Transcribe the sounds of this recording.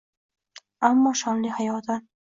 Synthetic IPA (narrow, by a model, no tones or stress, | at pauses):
amːɒʃɒnlihajɒt̪ʰan